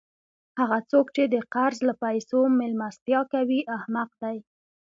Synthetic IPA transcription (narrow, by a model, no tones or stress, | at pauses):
haɣat͡sokt͡ʃed̪əqaɾzlapajsomɪlmast̪jɑkawiʔahmaq̚d̪aj